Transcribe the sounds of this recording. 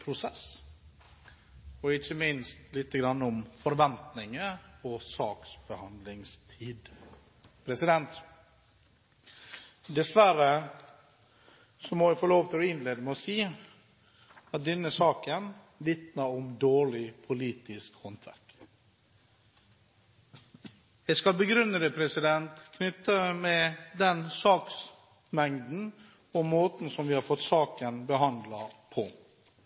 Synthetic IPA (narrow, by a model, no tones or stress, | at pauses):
pʰɾʊsɛs | ɔɪçəmɪnst̪lɪt̪ːəɡɾɑnːɔmfɔɾʋɛnt̪nɪŋəɔsɑːksbəhɑnd̪lɪŋst̪ʰiːd̪ | pʰɾɛsɪd̪ɛnt̪ | d̪ɛsʋæɾə | sɔmɔʋæfoːloːʋt̪ʰɪlɔɪnleːd̪əmɛɔsiː | ɑt̪̚d̪ɛnːəsɑːkən | ʋɪt̪nəɾɔmd̪oːɭɪpʰʊliːt̪ɪskhɔnt̪ʰʋæ̰ɾk | jæɪskɑlbəɡɾʏnːəd̪əpʰɾɛsɪd̪ɛnt̪kʰnʏt̪ːəmɛd̪ɛnsɑːks | mɛŋd̪n̩ | ɔmːoːt̪n̩sɔmʋɪhɑɾfɔt̪ːsɑːkənbəɦɑnd̪lɑpʰɔ